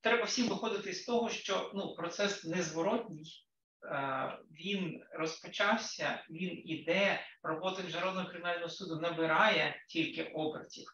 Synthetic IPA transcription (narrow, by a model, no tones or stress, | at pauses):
t̪ɾɛbɐwsʲimʋɪxɔd̪ɪt̪ɪst̪ɔɦɔʃt͡ʃɔnupɾɔt̪sɛsnɛzʋɔɾɔtʲnʲɪj | ʋʲinrɔspɔt͡ʃɑwsʲɐ̰ʋʲinid̪ɛɾɔbɔt̪ɪmʲiʒnɐɾɔwnɔɦɔkɾɪmʲɪnalʲnɔɦɔsud̪ʊnɐbɪɾɑjɛtʲilʲkɪʔɔbɾɐ̰tʲiw